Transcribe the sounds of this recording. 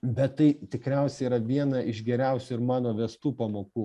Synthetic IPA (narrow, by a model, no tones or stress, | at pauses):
bʲɛt̪tːɐɪt̪ʲɪkɾʲɛˑʊsʲɛiːɾɐʋʲiɛnɐʔɪʒɡʲɛɾʲɛˑʊsʲuɪɾmɑːnoːʋʲɛːst̪uːpɐmoːkuː